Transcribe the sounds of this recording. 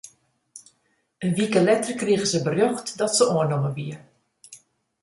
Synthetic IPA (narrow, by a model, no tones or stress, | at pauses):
ənʋikəlɛtərkriəɣəzəbərjøxtdɔtsəʔoənoməbiə